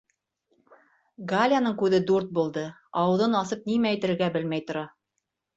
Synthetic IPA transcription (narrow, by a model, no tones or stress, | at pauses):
ɡalʲanɤɴkʉðɘd̪uɾt̪̚bulˠd̪ɤɑwɤ̆ðɤnɑsɤp̚nimæːjt̪ɘ̆ɾɘ̆ɾɡæbɘlmæjt̪ŏɾɑ